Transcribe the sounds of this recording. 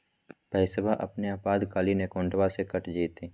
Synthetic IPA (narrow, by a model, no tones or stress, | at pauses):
pəɪsəbʱaʔɐ̰pneaːpaːd̪kaːlinekõːɳʈʋasekəʈʰd͡ʒiːt̪eː